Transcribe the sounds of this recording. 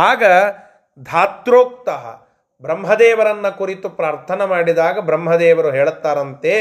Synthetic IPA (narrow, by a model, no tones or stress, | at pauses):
aːɡɐ | d̪ʱaːt̪ɾoːk̚t̪ɐɦɐ̰ | bɾɐmɦɐd̪ɛːʋɐɾɐnːɐkuɾit̪upɾaːɾt̪ʰɐnɐmaːɽid̪aːɡɐbɾɐmɦɐd̪ɛːʋɐɾuɦeːɭt̪ːaːɾɐnt̪e